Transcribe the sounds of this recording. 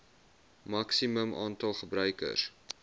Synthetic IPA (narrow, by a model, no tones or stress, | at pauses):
mɐksiməmʔɑːntɐlˠχəbrœɥkə̰r